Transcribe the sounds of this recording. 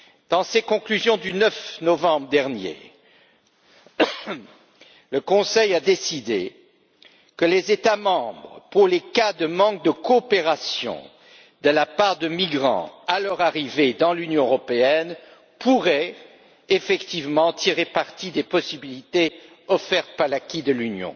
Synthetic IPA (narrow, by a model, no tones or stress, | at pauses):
d̪̥ɑ̃sekɔ̃klyzjɔ̃d̪ynœfnɔvɑ̃bʁəd̪ɛʁnjḛ | ləkɔ̃sɛjad̪esid̪e | kəlezet̪amɑ̃bʁəpuʁlekad̪əmɑ̃k̚d̪əkoːpeʁasjɔ̰̃ | d̪̥əlapaʁd̪əmiɡʁɑ̰̃alœʁaʁived̪ɑ̃lynjɔ̃øʁɔpeɛn | puʁɛ | efɛkt̪ivmɑ̃t̪ʰiʁepaʁt̪id̪epɔsibilit̪e | ɔfɛʁt̪̚paʁlakʲid̪əlynjɔ̰̃